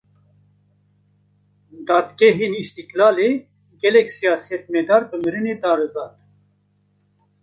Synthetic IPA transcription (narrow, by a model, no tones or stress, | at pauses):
d̪aːd̪ɡɛɦeːnist̪iklaːle | ɡɛlɛksijɑːsijɛt̪mɛd̪aːɾbɨmɨɾɨneːd̪ɑːɾɨzɑːt̪